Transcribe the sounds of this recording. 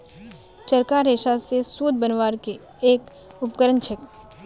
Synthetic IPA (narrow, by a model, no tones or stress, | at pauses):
t͡ʃəɾkaɾeːʃasesuːd̪̚ʱbənʋaːɾke | eːk | ʊpkəɾənt͡ʃʰek